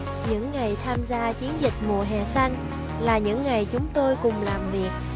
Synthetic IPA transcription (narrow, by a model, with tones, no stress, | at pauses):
ɲɨ̰˧˥ŋːa˨˩jt̪ʰaː˧mzaː˧t͡ɕi˨˦ənzï˨˩k̟̚mu˨˩əɦɛ˨˩sa˧jŋ | laː˨˩ɲɨ̰˧˥ŋːa˨˩jt͡ɕʊ˨˦ŋ͡mt̪o˧jkʊ˨˩ŋ͡mlaː˨˩mvi˨˩ək̚